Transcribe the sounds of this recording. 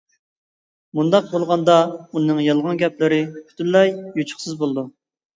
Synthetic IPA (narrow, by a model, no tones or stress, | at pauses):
mund̪ɑq̚bolˠʁɑnd̪ɑunɨŋjɑlˠʁɑnɡʲɛplɪɾɪkʲʰt̪ʰynlɛjjut͡ʃʰʊ̥χsɨzbolˠd̪u